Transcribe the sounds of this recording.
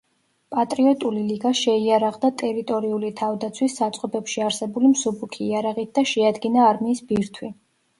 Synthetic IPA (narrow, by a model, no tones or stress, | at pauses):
pʼat̪ʼɾiɔt̪ʼuliliɡaʃɛiaɾaʁd̪at̪ʼɛɾit̪ʼɔɾiulit̪ʰavd̪at̪sʰwisːat̪sʼqʼɔbɛpʃiaɾsɛbulimsubukʰiːaɾaʁit̪̚d̪̥aʃɛad̪ɡinaːɾmiːsbiɾt̪ʰwi